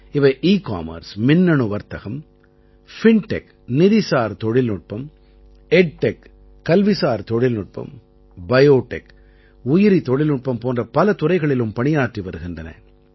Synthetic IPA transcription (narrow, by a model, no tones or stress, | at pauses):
ɪʋɐɪʔiːka̰ːmɐ̰ɾsmɪnːɐɳɯʋɐɾt̪ɐɣɐm | fɪɳʈɛk | nɪðɪsaːɾt̪ɔɽɪlnʊʈ̚pɐm | ɛɖ̚ʈɛk | kːɐlʋɪsaːɾt̪ɔɽɪlnʊʈ̚pɐ̰m | bɐjoːʈːɛk | ʊjɪɾit̪ɔɽɪlnʊʈ̚pɐmpoːndrɐpɐlɐt̪ʊrɐɪɣɐɭɪlɯmpɐɳɪjaːʈriʋɐɾɯɣɪndrɐnɐ̰